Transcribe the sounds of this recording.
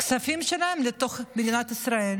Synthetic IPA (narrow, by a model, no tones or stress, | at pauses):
ksafimʃelaemlet̪o̞χbed̪inat̪isɾael